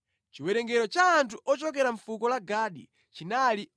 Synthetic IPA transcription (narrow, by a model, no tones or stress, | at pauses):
t͡ʃiwɛɾɛŋɡɛɾɔt͡ʃaːntʰuʔɔt͡ʃɔk̬ɛɾaɱfukɔlaɡaːɗḭ | t͡ʃinali